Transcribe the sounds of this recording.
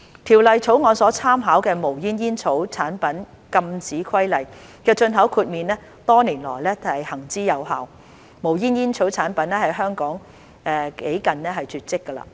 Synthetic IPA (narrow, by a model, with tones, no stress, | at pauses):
t̪ʰiː˨˩wlɐ˨jt͡sʰo˨˥wŋɔː˨˧nsɔː˨˥t͡sʰaː˥mɦaː˨˥wkɛː˧mo˨˩wjiː˥njiː˥nt͡sʰo˨˥wt͡sʰaː˨˥npɐ˨˥n | kɐ˧mt͡siː˨˥kʰɐ˥jlɐ˨˩j | kɛː˧t͡ʃɵ˧nɦɐ˨˥wkʰuː˧t̚miː˨nlɛː˥ | t̪ɔː˥niː˨˩nlɔ̰ː˨˩jlɛː˥hɐ˨˩jhɐ˨˩ŋt͡siː˥jɐ˨˧wha˨w | mo˨˩wjiː˥njiː˥nt͡sʰo˨˥wt͡sʰaː˨˥npɐ˨˥nlɛː˥hɐ˨jɦœː˥ŋkɔː˨˥ŋ | ʔɛː˨˧ke˨˥jkɐ˨nnɛː˥ɦɐ˨jt͡ʃyː˨˧t̚t͡sɪ˥kːɐ˧la̰ː˧